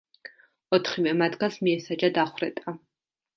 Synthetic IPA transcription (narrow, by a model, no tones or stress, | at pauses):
ɔt̪ʰχivɛmat̪ɡasmiɛsad͡ʒad̪aχʷwɾɛt̪ʼa